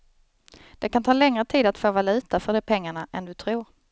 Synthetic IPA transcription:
d̪̥ɛkʰant̪ʰɑːlɛŋɾət̪ʰiːd̪at̪foːvalʉ̟ːt̪afœɖɛpʰɛŋːaɳaʔɛnd̪ɵt̪ʰɾuːɾ

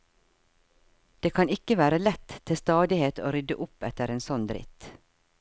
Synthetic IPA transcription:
d̪̥eːkʰɑnɪkəʋæːɾəlɛt̪t̪ʰːɪst̪ɑːd̪ɪheːt̪ʰo̰ːɾʏd̪əʔʊpɛt̪əɾeːnsɔnd̪ɾɪ̰t̪

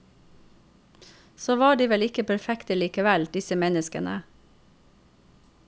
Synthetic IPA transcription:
soːʋɑːɖiːʋɛlɪkəpʰæɾfɛkt̪əliːkəʋæld̪ɪsəmɛnəskə̰nʔə̰

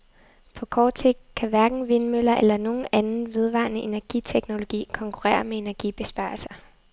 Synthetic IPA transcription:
pʰɒ̽kʰɒːd̥se̝ɡ̥̚d̥̚kʰæʋæɐɡ̥n̩ʋe̝nmøl̰ɐʔelɐno̝ːn̩ænn̩ʋe̝ð̞ˠʋɑ̰̈nəʔe̝næɐɡ̥it͡sʰeɡ̥no̝lo̝ɡ̥ḭːkʰɒ̽ŋkʰuʁɛ̰ːɐmee̝næɐɡ̥ib̥e̝sb̥ɑ̈ːlsɐ

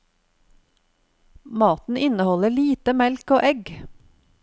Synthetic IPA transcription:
mɑːt̪n̩ʔɪnəhɔləɭiːt̪əmɛlkoːʔɛɡ

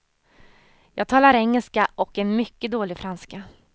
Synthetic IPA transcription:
jɑːɡ̚t̪ʰɑːlaɾɛŋːɛlskaʔɔkɛnmʏkːəd̪oːlɪɡfɾanska

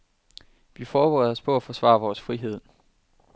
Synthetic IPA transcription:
ʋifɒːb̥eʁɛðˠɒ̽spʰɒ̽æfɒsʋɑ̰̈ːʋɒːsfʁiɦe̝ð̞̰ˠ

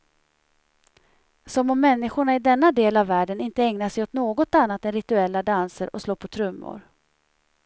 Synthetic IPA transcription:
sɔmɔmːɛnːɪɧʊɳaɪd̪ɛnːad̪eːlavːæːɖənɪnt̪əɛŋnaʂɛjɔt̪noːɡɔt̪anːat̪ɛnɾɪt̪ɵɛlːad̪ansəɾɔsloːɾpʰɔt̪ʰɾɵmːʊ̰ɾ

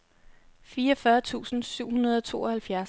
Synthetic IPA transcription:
fiːɒfɶːɐt͡sʰṵːsn̩syʊ̰hunɐð̞ˠɒ̽t͡sʰo̝̰ːɒ̽hælfjæɐs

